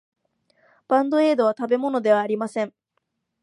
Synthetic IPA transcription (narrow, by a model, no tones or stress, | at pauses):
b̥ãnd̪o̞e̞ːd̪o̞βat̪abe̞mo̞no̞d̪e̞β̞aːɾʲimasẽ̞ɴ